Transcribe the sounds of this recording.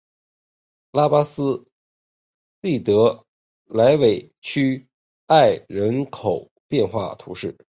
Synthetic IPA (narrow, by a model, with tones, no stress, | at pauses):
la˥pa˥sɹ̩˥ | li˥˩t̪ɤ˧˥ | la˧˥ɪwe˨˩ɪ | t͡ɕʰy˥ | a˥˩ɪɻə˧˥nkʰo˨˩ʊ | pjɛ˥˧nxwa̰˥˩t̪ʰu˧˥ʂɻ̩˥˩